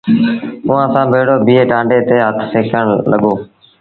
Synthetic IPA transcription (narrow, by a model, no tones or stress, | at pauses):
ʊʋãːsãːbʱeːɽoːbiːeːʈãːɳɖeːt̪eːɦət̪ʰseːkʰəɳ̃ləɠoː